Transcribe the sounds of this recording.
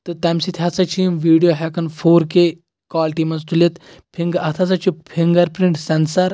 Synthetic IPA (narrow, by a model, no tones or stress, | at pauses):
t̪ɨt̪ɐmsit̪ʰʲat͡sɐt͡ɕʰimʋiːɖijoɦɛkɐnfʰoːɾke | kɔːlʈimɐzt̪ulet̪ | pʰiŋɡɐt̪ʰɐt͡sɐt͡ʃupʰiŋɡɐɾpɾiɳʈsɛnsɐɾ